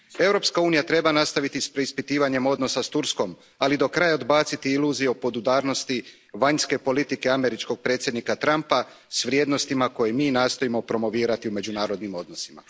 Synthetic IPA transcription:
e̞wɾo̞pskauːnijat̪ɾe̞banast̪aʋit̪ispɾeispit̪iːʋaɲe̞mo̞d̪no̞sast̪uɾsko̞m | alid̪o̞kɾajaod̪baːt̪sit̪iiluzijeopo̞d̪ud̪aːɾno̞st̪i | ʋaɲske̞po̞lit̪ike̞ame̞ɾit͡ʃko̞ɡ̚pɾe̞ːt̪sʲjed̪nikat̪ɾampa | sʋɾʲje̞ːd̪no̞st̪imako̞jemiːnaːst̪o̞imo̞pɾo̞mo̞ʋiːɾat̪iume̞d͡ʑunaːɾo̞d̪nimo̞d̪no̞sima̰

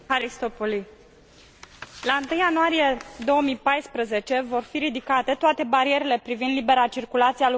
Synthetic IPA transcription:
aɾist̪opoli | laɨnt̪ɨjanuaɾije̞d̪o̞wəmipajspɾəze̞t͡ʃe̞vo̞rfiɾid̪ikat̪e̞t̪oat̪e̞baɾie̞ɾe̞le̞pɾivind̪libe̞ɾat͡ʃirkulat̪sial

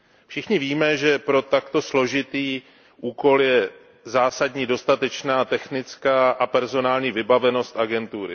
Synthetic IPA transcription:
fʃɪxɲɪviːmɛʒɛpɾo̞t̪akt̪o̞slo̞ʒɪt̪iː | ʔuːko̞ljɛ | zaːsadɲiːdo̞st̪at̪ɛt͡ʃnaːt̪ɛxnɪt͡skaːʔapɛɾzo̞naːlɲiːvɪbavɛno̞st̪ʔaɡɛnt̪uːɾɪ̰

